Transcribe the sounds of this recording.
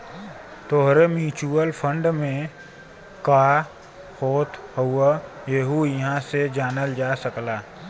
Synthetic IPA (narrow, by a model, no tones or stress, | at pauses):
t̪oɦɾemjuːt͡ʃuəlpʰə̃ɳɖmẽ | kaː | xoːt̪huajeːɦujɐɦãsed͡ʒaːnəld͡ʒaːsəklaː